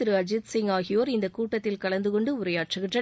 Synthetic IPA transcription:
ɪɾɯɐd͡ʒɪt̪sɪŋaːɣɪjoːɾɪnd̪ɐkuːʈːɐt̪ːɪlkɐɭɐnd̪ɯkɔɳɖɯʊɾɐjaːʈrɯɣɪɳdrɐ

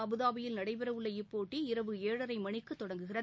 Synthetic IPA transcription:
ɐbɯðaːʋɐjɪlnɐɽɐɪpɪɾɐʋɯɭːɐɪpːoːʈːiɪɾɐʋɯeːɻɐɾɐɪmɐɳɪkːɯt̪ːɔɽɐŋɡɯɣɪrɐ

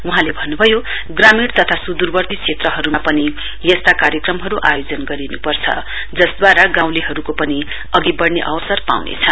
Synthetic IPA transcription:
uɦãlebʱʌnːubʱʌjo | ɡramiɽt̪ʌt̪ʰasud̪urbʌrt̪ikʰet̪rʌɦʌɾumapʌni | jʌst̪akaɾjʌkrʌmɦʌɾuʔajod͡zʌnɡʌɾinupʌrt͡sʰʌ̰ | d͡zʌsd̪waɾaɡãw̃leɦʌɾukopʌni | ʌɡibʌɽneʔʌwʌsʌrpa̰wnḛt͡sʰʌn

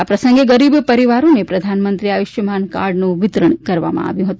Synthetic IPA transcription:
apɾɐsə̃ŋɡeɡəɾibpɐɾiʋaɾõmẽpɾɐd̪ʱanmə̃nt̪ɾiajʊʃʋmanka̰ːɾɖnũʋɪt̪ɾəɳkɐɾʋa̰mã̰a̰ʋjũɦət̪ũ

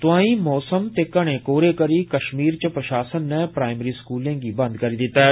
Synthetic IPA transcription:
t̪ʊãːĩːmɔːsəmt̪eːkɐɽ̃eːkoːɾeːkəɾiːkəʃmiːɾt͡ʃəpɾəʃaːsənːɛ̃ːpɾaːɪməɾiːskuːlãːɡiːbə̃nd̪kəɾiːd̪ɪt̪ːaɦɛː

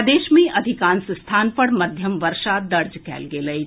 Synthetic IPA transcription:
d̪eːʃmẽʔɐd̪ʱɪkãːnsst̪ʰaːnpɐɽmɐd̪ʱjəmʋɐɾʃad̪ɐɾd͡ʒkɛ̰ːlɡeːlɐi

